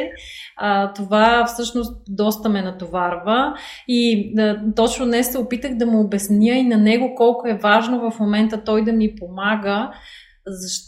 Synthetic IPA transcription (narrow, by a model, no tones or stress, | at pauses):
ət̪ovafsɤʃnost̪̚d̪ɔst̪əmɛnɐt̪ovaɾvə | it̪ɔt͡ʃnod̪nɛsːɛopit̪əɣd̪ɐmoːbɛsnjəinɐnɛɡokɔlˠkʊɛvaʒnovɐfmomɛnt̪ət̪ɔjd̪ɐmipomaɡə | zɐʃ